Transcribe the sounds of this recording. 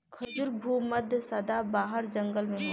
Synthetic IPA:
kʰɐd͡ʒʊɾbʱuːmɐd̪ʱjəsɐd̪abaːɦəɾd͡ʒɐ̃ŋɡəlmẽ

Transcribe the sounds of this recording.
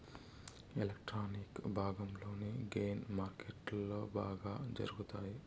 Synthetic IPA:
elekʈɾaːnikbʱaːɡɐmlo̞ːneɡeːnmaːɾkeʈloːba̰ːɡaːd͡ʒɐ̰ɾuɡut̪aːji

